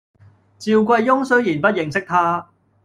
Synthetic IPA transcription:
t͡siː˨˧wkʷɐ˧jːʊ˥ŋsɵ˥ɥjiː˨˩npɐ˥t̚jɪ˨ŋsɪ˥k̚t̪ʰaː˥

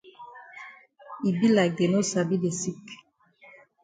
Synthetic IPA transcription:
i˨bi˦la˨ɡe˨no˦sa˨bi˦de˨si˦k

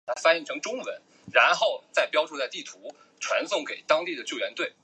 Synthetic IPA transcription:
t̪ʰa˥fa˥jɛ˥˩ŋʈ͡ʂʰɤ˧˥ŋʈ͡ʂʊ˥ŋwə˧˥n | ɻa˧˥nxo˥˧ʊt͡sa˥˩ɪpjɑ˥ʊʈ͡ʂʰu˥t͡sa˥˧ɪt̪i˥˩t̪ʰu˧˥ | ʈ͡ʂʰwa˧˥nsʊ˥˩ŋke˨˩ɪt̪ɑ˥ŋt̪i˥˩d̪ə˩t͡ɕjo˥˩ʊɥɛ˧˥nt̪we˥˩ɪ

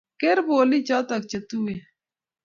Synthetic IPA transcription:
ke˦ɾboː˨li˦t͡ʃa˦t̪ɐ˨k̚t͡ʃe˨t̪u˦e˨

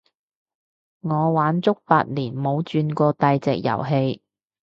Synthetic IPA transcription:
ŋɔː˨˧waː˨˥nt͡sʊ˥k̚pa̰ː˧t̚liː˨˩nmo˨˧wt͡ʃyː˧nkɔː˧t̪ɐ˨˧jt͡sɛː˨k̚jɐ̰˨˩wɦe˧j

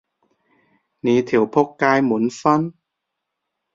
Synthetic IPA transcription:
niː˨˦t̪ʰi˨˩˦wpʰo˦˥kːaː˧jmu˨˩˦nfa˧˥n

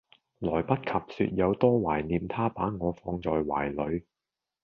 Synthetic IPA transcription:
lɔː˨˩jpɐ˥t̚kʰɐ˨p̚sy̰ː˧t̚jɐ˨˧wt̪ɔː˥waː˨˩jniː˨mt̪ʰaː˥paː˨˥ŋɔː˨˧fɔː˨˧ŋt͡sɔː˨jwa̰ː˨˩jlɵ˨˧ɥ

